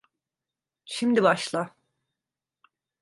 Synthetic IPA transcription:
ʃimd̪ibaʃlˠa

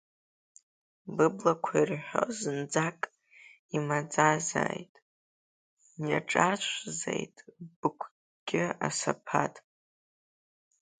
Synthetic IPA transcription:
bɨblakʷʰairħʷᶣozɨnd͡zakʼ | imad͡zaza̰ːjtʼ | naʈ͡ʂʼat͡ʃʷʰzḛjtʼb̥ɨkʷʰ | ɡ̥ʲɪa̰sapʰatʼ

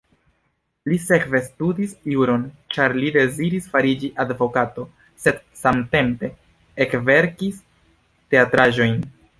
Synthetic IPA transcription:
lise̞kve̞studisuɾo̞nt͡ʃaɾlide̞ziɾisfaɾid͡ʒiʔadvo̞kato̞ | sed̥ | samte̞mpe̞ | ekve̞ɾkis | te̞atɾaʒo̞jn

